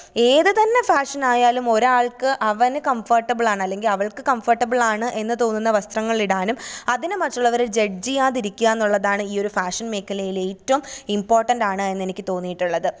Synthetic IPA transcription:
e̞ːðɨt̪ɐnːe̞faːʂɐnaːjaːlumo̞ɾaːɭkɨʔɐʋɐnɨkɐmfɐrʈːɐbɨɭaːɳɐlːe̞ŋɡilɐʋɐɭkɨkɐmfɐrʈːɐbɨɭaːɳɨʔe̞nːɨt̪o̞ːnːunːɐʋɐst̪rɐŋːɐɭiɽaːnumɐðinɨmɐtːuɭːɐʋɐɾud͡ʑeɖd͡ʑijaːðiɾikʲːuaːenːuɭːɐðaːɳɨiːo̞ɾufaːʂɐnme̞ːkːɐlɐjile̞ːtːɐʋumimpo̞ːrʈːɐndɖaːɳɨe̞nːe̞nikʲːɨt̪o̞ːnːijiʈːuɭːɐðɨ

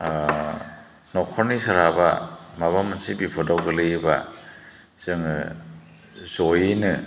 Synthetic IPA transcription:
nɔkʰɔɾnisaɾabamaβamansibipʰɔdawɡɯlɯjba | z̥ɯŋ | zɔjinɯ

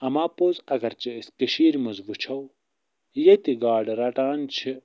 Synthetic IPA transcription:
ɐmaːpozɐɡɐɾt͡ɕeiskɐɕiːɾmuzbut͡ɕʰɐw | jet̪iɡaːɖɐɾɐʈaːnt͡ɕʰi

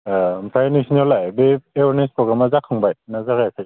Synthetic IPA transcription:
ampʰɾajnesʰinɔlajbeewaɾnespɾɔɡɾamazakʰaŋbajnazaɡajkʰaj

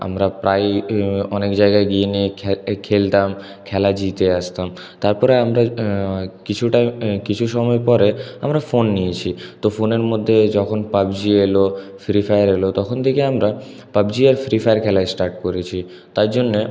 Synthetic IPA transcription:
a̰mɾapɾajɔnekd͡ʑaeɡaeɡienikʰelt̪am | kʰɛlad͡ʑit̪eaʃt̪am | t̪aɾpɔɾeamɾa | kit͡ɕʰuʈakit͡ɕʰuʃɔmɔepɔɾeamɾafonːijet͡ɕʰit̪ofoneɾmod̪ʱːed͡ʑɔkʰonpabd͡ʑielofɾifajɾelot̪ɔkʰont̪ʰekeamɾa | pabd͡ʑiaɾfɾifajeɾkʰɛlaesʈaɾʈ̚koɾet͡ɕʰi | t̪aɾd͡ʑonːe

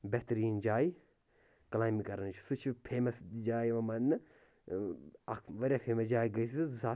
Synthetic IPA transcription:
bɛt̪ɾiːnd͡ʒaːi | kɐlaːjmikɐɾɐnt͡ʃʰu̥sut͡ʃʰupʰeːmɐsd͡ʒaːjiʋɐmɐnːɨ | ɐʋɐɾʲjaːfʰeːmɐsd͡ʒaːiɡɐisɨzaː

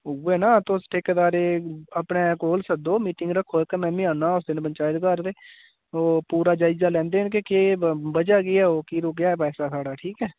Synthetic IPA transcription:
ʊweːnaːt̪osʈʰeːkːd̪aːɾeːəpneːkoːlsəd̪oːmiːʈɪ̃ŋɡɾəkʰːoːɛkemɛ̃ːmĩãːnaːʊs̬d̪ɪnpəɲt͡ʃaːɪt̪kəɾd̪eː | oːpuːɾaːd͡ʒaːɪzaːlɛ̃ːnd̪eːnk̬ekeːbəd͡ʒaːɡɪɛːoːkiːɾoːkjaːɛːpɛːsaːsaːɽaːʈʰiːkɛː

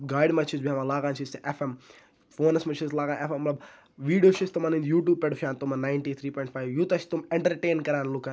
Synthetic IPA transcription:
ɡaːjɽimɐt͡ʃʰisbʱiamalaːɡaːnt͡ʃʰiseʔefem | foːnɐsmɐt͡ʃʰislaːɡaːnʔefemːɐlɐb | ʋiːɖijoːʃist̪umaːnĩnd̪juːʈjuːb̚peɽufʰaːnt̪umɐnaːɪɳʈiːt̪ʰɾiːpɔːjɳʈfʰaːjʋjut̪ɐt͡ʃʰt̪umeɳʈɐɾʈeːnkɐɾaːnluka

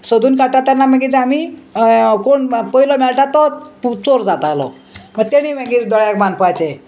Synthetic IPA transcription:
sod̪ʱuːnkaɽt̪at̪janːaməɡit̪ami | koɳpəilɔmɛɭʈat̪ɔput͡soɾd͡zat̪alɔ̰ | məɡ̚t̪eɽ̃imə̃ɡiːɾd̪ɔɭjak̚banpɔajt͡se

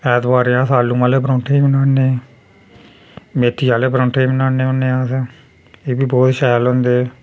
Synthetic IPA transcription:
ɛːt̪baːɾejãːsaːlũːmaːleːpɾõːʈʰeːiːmənaːneː | meːt̪ːijãːleːpɾõːʈʰeiːmənaːneːʊneːaːse | eːbiːbɔːt̪ʃɛːlɦõnd̪eː

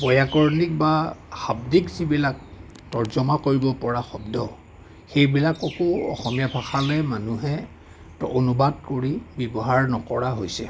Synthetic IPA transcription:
bɔjakɔɹnik̚baxabdikzibilak̚ | tɔɹzɔmakoɹibɔpɔɹaxɔbdɔ | xejbilakɔkoɔ̰xɔmijabʰʱaxalɛmanuɦɛ | tɔonubadkoɹibjɔbɔɦaɹnɔkɔɹaɦojsɛ̰

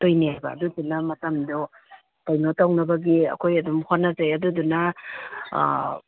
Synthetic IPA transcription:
tojniabɐ̰ːdudunɐmɐtɐmdo | tajnotawnɐbɐɡiɐ̰kʰojɐdumhonɐzajɐdudunɐ̰

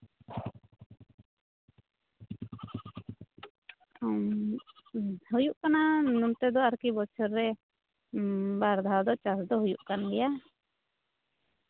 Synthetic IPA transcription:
hujuʔkananumt̪ɛd̪ɔaɾkibɔt͡ʃʰɔɾːɛ | baɾd̪ʱad̪ɔt͡ʃasd̪ɔɦujuʔkanɡɛja

